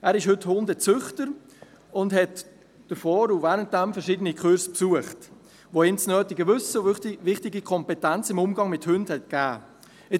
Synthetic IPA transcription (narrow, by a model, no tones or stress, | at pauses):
ʔæːɾɪʃhɵthʊndət͡sʏχtəɾ | ʊndɦɛt | d̥əfɔːɾuvæːɾəntd̥ɛmfɛɾʃiːdənikʰχʉɾspsuəχt | ʋoɪnt͡snœːtɪɡəvʏsəvɪχtɪɡikʰɔmpɛtænt͡sɪmʊmɡɑŋmɪthʉndhɛt̚ɡ̥æː | ɪ